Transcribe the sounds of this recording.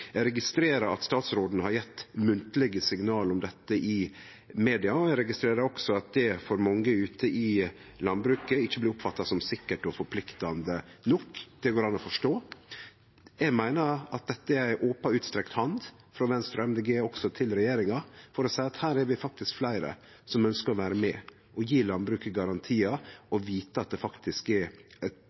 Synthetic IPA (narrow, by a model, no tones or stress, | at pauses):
jæɾɛɡɪst̪ɾeːɾɑɾɑ̰t̪st̪ɑːt̪sɾoːd̪ənəhɑɾjɛt̪ːmʉnt̪əlɛɡəsɪŋnɑːlɔmd̪ɛt̪ːəʔɪ | meːd̪ɪɑɔɛɾɛɡɪst̪ɾeːɾɑɾɔksɔɑt̪̚d̪ɛfɔɾmɔŋːəʉːt̪ʰəʔɪ | lɑnbɾʉːkəɪçːəbliːʊpfɑt̪ːɑsɔmsɪkːəʈɔfɔɾpʰlɪkt̪ɑnd̪ənɔkd̪̥ɛɡoːɾɑnːɔfɔʂʈoː | jɛɡmæɪnəɑt̪̚d̪ɛt̪ːəæɪʔoːpɑʉːt̪st̪ɾɛkt̪hɑnd̪ | fɾɔʋɛnst̪ɾɔɛmd̪eːɡeːɔksɔt̪ʰɪlɾɛjeːɾɪŋɑfɔɾɔsæɪɑt̪hæːɾɛɾʋɪfɑk̚t̪ɪskflæɪɾə̰ | sɔmœnskəɾɔʋæːɾəmɛ | ʔɔjiːlɑnbɾʉːkəɡɑɾɑnt̪ʰiːɑɔʋiːt̪əɑt̪̚d̪ɛfɑkt̪ʰɪskɛɾ